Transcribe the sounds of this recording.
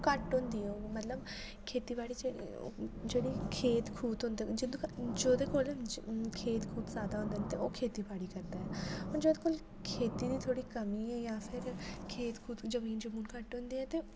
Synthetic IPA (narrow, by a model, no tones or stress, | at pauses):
kəʈɦʊ̃ːnd̪iːɛmət̪ləb | kʰeːt̪iːbaːɽiːd͡ʒḛ | d͡ʒeːɽiːkʰeːt̪kʰuːt̪ɦõːnd̪ːd͡ʒɪnd̪d͡ʒoːd̪eːkoːlkʰeːt̪kʰuːt̪saːd̪aːɦʊ̃nd̪eɛːnt̪eoːkʰeːt̪iːbaːɽiːkəɾd̪aːɛːɔːɾd͡ʒoːd̪eːkoːl | kʰeːt̪iːd̪iːt̪ʰoːɽiːkəmiːɛːjaːpʰɪɾkʰeːt̪kʰuːt̪zəmiːnd͡ʒəmuːnkəʈɦʊ̃ːnd̪iːɛːt̪eː